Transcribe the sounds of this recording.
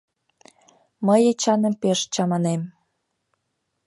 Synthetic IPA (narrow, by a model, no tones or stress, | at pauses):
məjet͡ɕɑnə̆mpeʃt͡ɕɑmɑnem